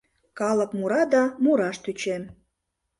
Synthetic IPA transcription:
kɑlə̆kmuɾɑd̪ɑmuɾɑʃt̪yt͡ɕem

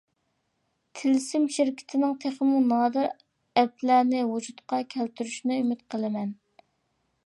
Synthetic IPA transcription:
t̪ʰɪlsɪmʃɪɾkʲʰɪ̥t̪ʰɪnɪŋt̪ʰeχəmunɑːd̪ɨɾ | ɛplæɾnɪwud͡ʒut̪qɑkʲʰɛlt̪ʰyɾyʃnɛymɪt̪̚qʰəlˠɨmɛn

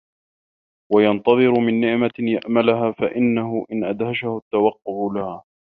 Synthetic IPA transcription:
wajɑnt̪ɑðˤɨɾʊmɪnːɪʕmajaʔmalʊɦaːfaʔɪnːaɦʊʔɪnʔa̰d̪haʃahʊt̪ːawɑqːʊʕʊlahaː

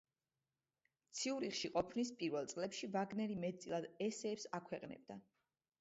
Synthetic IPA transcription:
t̪sʰiuɾiχʃiqʼɔpʰnispʼiɾvɛlˠt̪sʼlɛpʃivaɡnɛɾimɛt̪sʼilˠad̪ɛsɛːpsakʰwɛqʼnɛ̰b̚d̪a

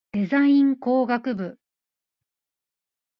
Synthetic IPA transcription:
d̪̥e̞zãĩŋko̞ːɡakɯ̟bɯ̟

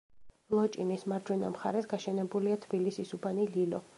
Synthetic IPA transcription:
lˠɔt͡ʃʼinismaɾd͡ʒwɛna̰mχa̰ɾɛsɡaʃɛnɛbuliat̪ʰbilisisubanililɔ

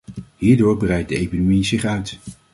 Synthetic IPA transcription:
hiːɹdʊːɹbərɛjt̚dəejkinomizɪχœɥt

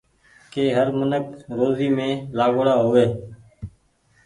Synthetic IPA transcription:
keːɦəɾmənəkɾoːziːmẽːlaːɡɽaːɦʊʋeː

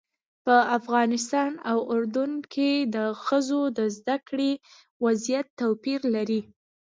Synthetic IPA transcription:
pəafɣɑnɪs̬t̪ɑnawʊɾd̪ʊnkʰed̪əxəzod̪əzd̪akɽe | wazijat̪ːawpiɾlaɾi

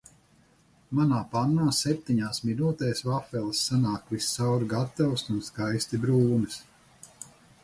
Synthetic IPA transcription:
manaːpanːaːsɛp̚t̪iɲaːsminuːt̪ɛːjsvafɛlˠsːanaːkvisːawɾɡat̪awsunskajst̪ibɾuːnɨs

